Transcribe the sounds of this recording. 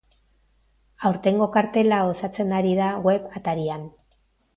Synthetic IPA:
awɾt̪e̞ŋɡo̞kaɾt̪e̞lao̞sat͡se̞naɾiðaɣwe̞pat̪aɾian

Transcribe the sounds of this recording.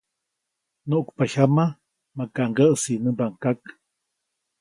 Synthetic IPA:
noʔkpaçama | makaʔŋɡəʔsinəbaŋkak

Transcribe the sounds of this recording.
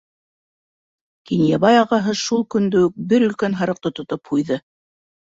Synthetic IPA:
kinjɑβɑjɑʁɑɦɤʃulˠkɵ̆nd̪ɵ̆wɵk̚bɘɾɵ̆lkænɦɑɾɤ̆q̚t̪ot̪ŏt̪ophujðɤ

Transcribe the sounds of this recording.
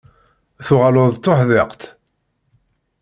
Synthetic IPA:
θʊʁalʊðˤt̪ːoħðɪqt̪

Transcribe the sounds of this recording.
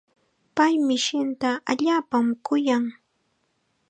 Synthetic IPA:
pajmɪʃɪnt̪aʔaʎaːpamkʊjaŋ

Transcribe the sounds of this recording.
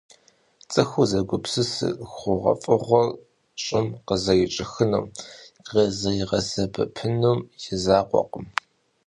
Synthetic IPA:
t͡sʼɨxuzɐɡʷʊpsɨsɨ̰xʷʊʁɐ̰fʼɨʁʷɔr | ɕʼɪmqəzɐjɪt͡ʃʼɪxɨnuːmʁezɐjɪʁɐsɐbɐ̰pʰɨnuːmjɪzaːqʷɔ̰qəm

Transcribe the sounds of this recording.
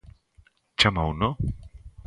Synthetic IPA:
t͡ɕamawnɔ

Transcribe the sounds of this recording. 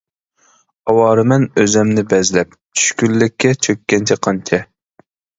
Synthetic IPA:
ɑwɑːɾɨmɛnøzɛmnɪbɛzlɛp̚ | t͡ʃʰy̥ʃkʲylːɪkʲʰːɛt͡ʃʰøkʲːɛnt͡ʃʰɛqʰɑnt͡ʃʰɛ

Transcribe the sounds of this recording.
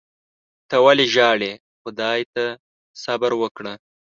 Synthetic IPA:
t̪əwaleʒɑːɽe | xʊd̪ɑjt̪a | sabəɾwəkɽə

